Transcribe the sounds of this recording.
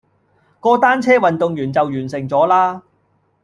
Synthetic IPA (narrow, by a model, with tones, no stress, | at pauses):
kɔː˧t̪aː˥nt͡sʰɛː˥wɐ˨nt̪ʊ˨ŋjyː˨˩nt͡sɐ˨wjyː˨˩nsɪ˨˩ŋt͡sɔː˨˥laː˥